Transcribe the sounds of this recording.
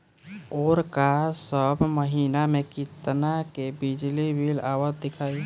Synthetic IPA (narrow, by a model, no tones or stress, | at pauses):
oːɾkasəbməɦiːnamekit̪nakebid͡ʒlibʱilawət̪̚d̪ɪkʰaːi